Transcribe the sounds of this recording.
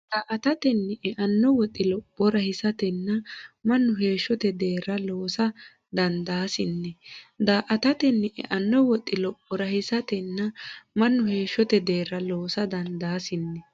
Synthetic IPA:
d̪̥aːʔɐt̪ɐt̪ɛnːɛʔɛʔɐnːɔwɔt̪ʼːɪlɔpʼːɔɾɐhɪsɐt̪ɛnːɐmɐnːʊɦe̞ːʃːɔt̪ɛd̪e̞ːɾɐloːsɐ | d̪ɐnd̪aːsɪnːɛd̪aːʔɐt̪ɐt̪ɛnːɪʔɛ̰ʔɐnːɔwɔt̪ʼːɪlɔpʼːɔɾɐhɪsɐt̪ɛnːɐmɐnːʊhe̞ːʃːɔt̪ɛd̪e̞ːɾːɐloːsɐd̪ɐnd̪aːsɪnːɛ

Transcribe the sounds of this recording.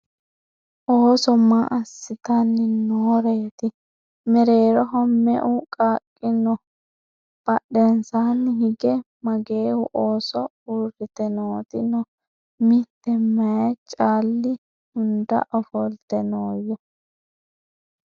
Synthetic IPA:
ʔoːsɔmaʔɐsːɪt̪anːɪnoɾeːt̪ɪ | mɛɾeːɾɔɦɔmmɛ̰ʔʊkʼaːkʼːɪnɔ | b̥ɐɗɛnsaːnːɪhɪɡɛ | mɐɡeːhʊʔoːsɔ | urɪt̪ɛnoːt̪ɪnɔ | mɪt̪ːɛmɐjɛt͡ʃʼaːlːɪ | hʊnd̪ɐ̰ʔɔfɔlt̪ɛnoːjːɔ

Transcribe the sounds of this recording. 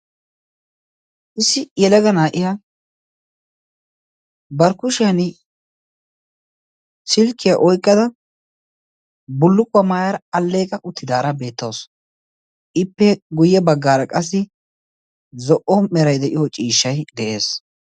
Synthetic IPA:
ʔɪsːɪjɛlɛɡɐnaːʔɪja | bɐɾkʊʃɪjɐnɪ | sɪlkːɪjaʔɔjkʼːɐd̪ɐ | bʊlːʊkʼːʊwɐmaːjɐɾɐɐlːe̞ːkʼɐʔʊt̪ːɪd̪aːɾɐbe̞ːt̪ːoːs | ʔɪpːɛɡʊjːɛbɐɡːaːɾɐkʼɐs̬ːɪ | zɔʔɔmɛɾɐjd̪ɛʔɪjot͡ʃʼiːʃːɐjd̪ɛʔe̞ːs

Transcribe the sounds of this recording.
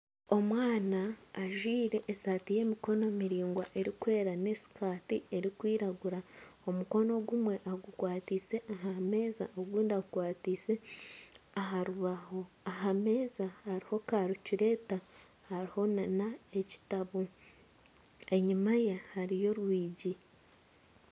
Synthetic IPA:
o̞mwaːnaːʒwiːɾe̞ʔːsaːtije̞mikono̞miɾiːŋɡwaʔe̞ɾikwe̞ːɾane̞si̥kaːtie̞ɾikwiːɾaɡuɾao̞muko̞no̞ɡumwe̞ʔaɡukwaːtise̞ʔaɦame̞ːza̰ʔoɡuːndiaɡukwaːtise̞ | aɦaɾuβaho̞ | aɦame̞ːzahaɾiho̞kaɾuciɾe̞ta | haɾiho̞nanae̞ci̥taβo | e̞ɲimajehaɾijo̞ɾwiːɟi

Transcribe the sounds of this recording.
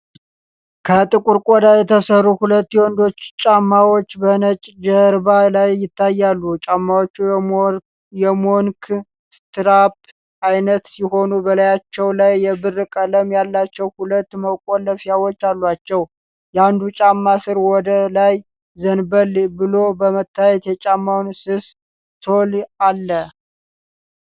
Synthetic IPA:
kʰət̪ʼɨkʼuɾkʼɔd̪ajɛt̪ʰəsərːuhulət̪ːjɛwɔnd̪o̞t͡ʃːt͡ʃʼamːawot͡ʃːbənət͡ʃʼd͡ʒəɾbalajːɪt̪ʰːajːalːut͡ʃʼamːawot͡ʃːu | jɛmoŋkʰ | st̪ʰɨɾap | ʔajnət̪siho̞nubəlajat͡ʃːɛwlajːɛbɨrːɨkʼələmjalːat͡ʃːɛwhulət̪ːməkʼoləfijawot͡ʃːalːwat͡ʃːɛw | jɛand̪ut͡ʃʼamːasɨɾwɔd̪əlaj | zənbəlbɨlo̞bəmət̪ːajɛt̪jɛt͡ʃʼamːawnsɨs | t̪ʰolalːə

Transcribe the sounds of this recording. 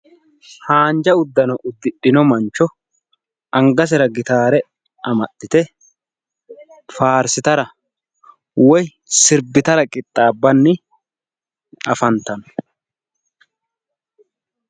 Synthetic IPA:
haːnd͡ʒɐʊd̪ːɐnɔʔʊd̪ːɪɗɪnɔmɐnt͡ʃːɔ | ʔɐŋɡɐs̬ɛɾɐɡɪt̪aːɾɛ | ɐmɐt̪ːɪt̪ɛ | faːɾsɪt̪ɐɾɐ | wɔj | sɪɾbɪt̪ɐɾɐkʼɪt̪ʼːaːbːɐnːɪ | ɐfɐnt̪ɐnɔ̥

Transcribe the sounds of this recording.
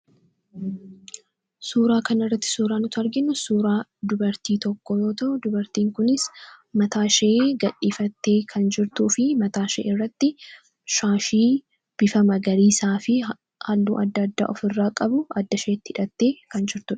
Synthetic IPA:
suːɾaːkɐnɪrːɐt̪ːɪ̥suːɾaːnʊt̪ɐɾɡɪnʊsuːɾaːd̪ʊbɐɾt̪iːt̪ɔkːɔjo̞ːt̪ɐʔʊd̪ʊbɐɾt̪iːŋkʊnɪsmɐt̪aːʃɐʔeːɡɐᶑiːfɐt̪ːe̞ːkʰɐnd͡ʒɪɾt̪uːfɪmɐt̪aːʃḛːɪrːɐt̪ːɪ | ʃaːʃiː | b̥ɪfɐmɐɡɐɾiːsaːfɪ | haːlːṵːʔɐd̪ːɐd̪ːa̰ːʔɔfɪrːaːkʼɐbʊɐd̪ːɐʃeːt̪ːɪɪᶑɐt̪ːe̞ːkɐnd͡ʒɪɾt̪ʊᶑɐ̥

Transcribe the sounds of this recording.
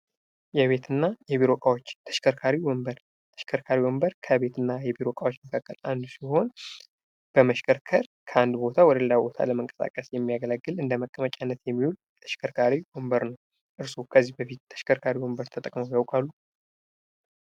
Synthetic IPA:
jɛβe̞t̪ʰɨnːajɛβiɾo̞kʼawot͡ʃːt̪ʰə̥ʃkʰəɾkʰaɾiwɔmbəɾ | t̪ʰə̥ʃkʰəɾkʰaɾiwɔmbəɾkʰəβe̞t̪ʰɨnːajɛbiɾo̞kʼawot͡ʃːməkʰakʼːəland̪usiho̞n | b̥əməʃkʰəɾkʰəɾkʰəand̪bo̞t̪ʰawɔd̪əllabo̞t̪ʰa̰ləməŋkʼə̥sa̰kʼəsjɛmːijaɡələɡːɨlɨnd̪əməkʼːəmət͡ʃʼanːət̪jɛmːihul | t̪ʰəʃkʰəɾkʰaɾiwɔmbəɾnəw | ʔɨɾsokʰəzːihbəfit̪t̪ʰːə̥ʃkʰəɾkʰaɾiwɔmbəɾt̪ʰət̪ʼəkʼməwjawkʼalːu

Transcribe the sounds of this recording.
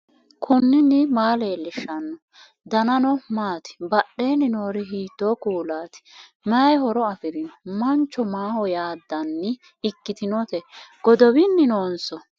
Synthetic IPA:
kʰʊnːɪnːɪmaːleːlːɪʃːɐnːɔ | d̪ɐnɐnɔmaːt̪ɪ̥bɐɗːe̞ːnɪnoːɾɪɦiːt̪ːoːkuːlaːt̪ɪ̥ | mɐjhɔɾɔɐfɪɾɪnɔmɐnt͡ʃːɔmaːhɔjaːd̪ːɐnːɪ | ɪkːɪt̪ɪnɔt̪ɛɡ̥ɔd̪ɔwɪnːɪnoːnsɔ

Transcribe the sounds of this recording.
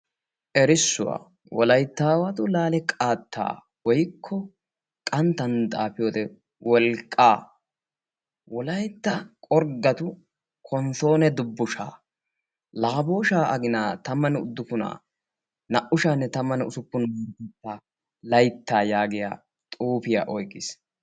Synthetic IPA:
ʔɛɾɪsːʊwa̰ː | wɔlɐjt̪ːaːwɐt̪ʊlaːlɛkʼaːt̪ːa̰ː | wɔjkʰːɔ | kʼɐnt̪ːɐnt̪ʼaːpɪjoːt̪ɛ | wɔlkʼːaː | wɔlɐjt̪ːɐkʼɔɾɡɐt̪ʊ | kʰɔnso̞ːnɛd̪ʊbːʊʃa̰ː | laːbo̞ːʃaːʔɐɡɪnaːt̪ɐmːɐnɛʊ̰d̪ːʊpːʊna̰ː | nɐʔʊʃaːnːɛt̪ɐmːɐnʊsʊpːʊnɐt̪ɛt̪ːa | lɐjt̪ːaːjaːɡɪja̰ː | t̪ʼuːpɪja̰ːʔɔjkʼːɪs

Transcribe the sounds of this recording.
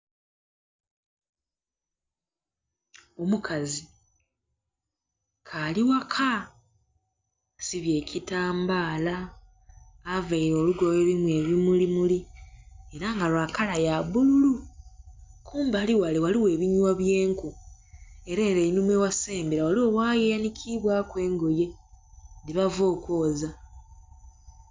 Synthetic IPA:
omukʰazi | kʰaliwakʰa | siβje̞ːcʰitaːmbaːlaː | vaiɾo̞ːluɡoweβimwe̞ːβimulimuli | e̞ɾaŋɡalwaːkalajaβulu | kʰuːmbaliwalewaliwe̞ːβiɲwaβje̞ːŋku | e̞ɾaeɾeinumwewaseːmbeɾawaliwowaːjejanicʰiβwakwe̞ːŋɡo̞je̞ | diβavo̞ːkwo̞ːza

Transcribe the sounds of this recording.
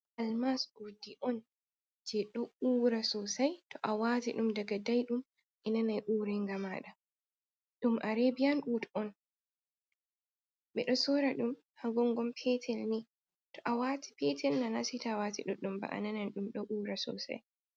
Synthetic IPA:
ʔalmasudiʔɔn | d͡ʒɛɗɔuːɾasɔsajtɔʔawatiɗumdaɡadajɗum | ʔɛnanajʔuːɾɛŋɡama̰ːɗa | ɗumʔaɾebijanɗutɔn | ɓɛɗɔsɔɾaɗum | haɡɔŋɡɔmpʰɛtʰɛlni | tɔʔawatʰi̥pɛtʰɛlnanasitawatḭɗɔɗumba̰ʔa̰nananɗumɗɔʔuːɾasɔ̰sa̰j

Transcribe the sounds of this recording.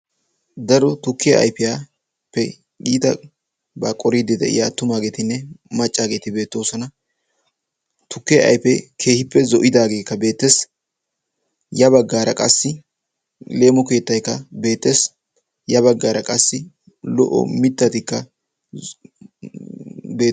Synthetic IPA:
d̪ɐɾɔt̪ʊkːɪjɐ̰ʔɐ̰jpɪjaː | pːɛ | ɡiːt̪ɐ | baːkʼɔɾid̪ɪd̪ɛ̰ʔɪ̰jaːt̪ʊmaːɡe̞ːt̪ɪnːɛmɐt͡ʃʼːaːɡe̞ːt̪ɪbe̞ːt̪ːo̞ːsɔnɐ | t̪ʊkːɪjɐ̰ɐ̰jpɛkʰe̞ːhɪpːɛzɔʔɪd̪aːɡe̞ːkːɐbe̞ːt̪ːes | jɐbɐɡːaːɾɐkʼɐsːɪ | le̞ːmɔke̞ːt̪ːɐjkːɐbe̞ːt̪ːe̞ːs | jɐbɐɡːaːɾɐkʼɐsːɪ | lɔ̰ʔɔ̰mɪt̪ːɐt̪ɪkːɐ | beː

